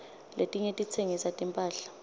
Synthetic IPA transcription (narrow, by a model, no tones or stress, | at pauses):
letʼiɲetʼit͡sʰeŋisatʼimpʼaːɬḁ